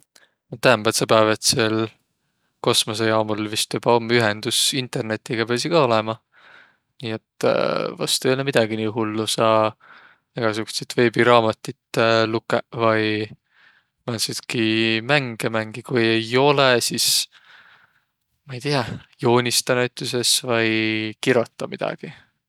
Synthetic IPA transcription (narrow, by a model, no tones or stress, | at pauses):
not̪ːæhmbælt̪sɑpævet̪sel | ko̞smos̬ejɑːmulvist̪ub̥ɑomːyɦend̪̥usint̪e̞rne̞t̪ːˑiɡ̥ɑpeɑsikɑo̞lɛmɑ | niːe̞t̪ːvɑ̰st̪ueolemid̪̥ɑɡiniːɦulːusɑ | eɡ̥ɑsykːu̥set̪ve̞ːbiɾɑːmɑt̪ʲːˑit̪ːlukːˑevɑj | mænsid̪̥kimæŋɡ̥emæŋɡ̥ikujejo̞lesis | mɑijt̪iɑjo̞ːnʲist̪ɑnæɥt̪ːˑuse̞svɑjkiɾot̪ˑːɑmid̪̥ɑ̰ɡ̥i